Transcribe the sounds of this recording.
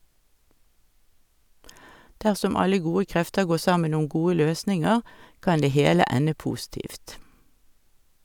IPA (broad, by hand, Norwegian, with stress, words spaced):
ˈdæʁsɔm ˈɑlə ˈɡuːə ˈkʁɛftə ˈɡoː ˈsɑmən ˈʊm ˈɡuːə ˈløːsnɪŋəʁ ˈkɑn ˈdeː ˈheːlə ˈænə ˈpuːˌstiːft